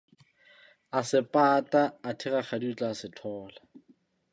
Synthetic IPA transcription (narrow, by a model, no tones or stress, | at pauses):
asɪpʼatʼaːtʰɪraχadiut͡ɬʼaːsɪtʰɔːla